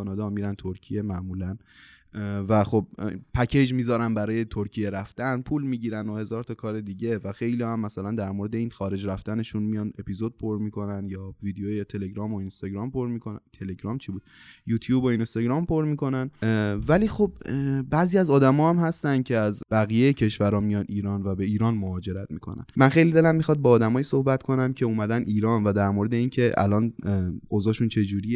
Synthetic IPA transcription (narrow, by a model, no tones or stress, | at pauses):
ɒːnɒːd̪ɒmiːɾænt̪ʰoɾcʰije̞mæʔmuːlæn | væxo̞b̚pʰæcʰe̞d͡ʒmiːzɒːɾænbæɾɒːje̞t̪ʰoɾcʰije̞ɾæft̪ænpʰuːlmiːɟiːɾænohe̞zɒːɾt̪ʰɒːkʰɒːɾe̞d̪iːɟe̞væxe̞jliɒhæmːæsælænd̪æɾmoɾed̪e̞iːnxɒːɾe̞d͡ʒɾæft̪æne̞ʃunmijɒne̞pʰizo̞d̪̚pʰoɾmiːkʰo̞nænd̪jɒːvid̪ejojet̪ʰe̞le̞ɡɾɒːmoinst̪ɒɟɾɒːmpo̞ɾmikʰo̞nænt̪ʰe̞le̞ɟɾɒːmt͡ʃʰiːbuːd̪̚juːt̪ʰjuːboinst̪ɒɡɾɒːmpʰo̞ɾmiːko̞nænvæliːxo̞bbæziːæzɒːd̪æmɒːhæmhæst̪ænd̪̚cʰe̞æzbæɣijejecʰe̞ʃvæɾɒːmijɒːniːɾɒːnvæbe̞iːɾɒːnmohɒːd͡ʒe̞ɾæt̪miːkʰo̞̰næ̰nmænxe̞jlid̪e̞læmːixɒd̪̚beːd̪æmɒːjiːso̞hbæt̪kʰo̞næmcʰe̞uːmæd̪ænʔiːɾɒːnvæd̪æɾmoɾe̞d̪e̞iːncʰe̞ʔæ̰lɒːnozɒːʃunt͡ʃʰe̞d͡ʒuːɾije